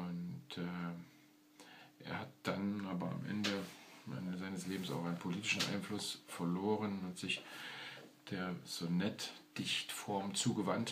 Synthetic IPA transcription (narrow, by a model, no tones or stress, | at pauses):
ʊntː | ʔḛːɐhat̚d̥anʔaːbɐa̰mʔɛ̰ndəɛ̰ndəzaɪnəsleːbm̩sa̰ʊχaɪnpʰoliːtɪʃn̩ʔa̰ɪnflʊsfɛɐloːʁənʊnthatz̥ɪç | d̥eːɐz̥onɛtd̥ɪçtfɔɐmt͡suːɡəvant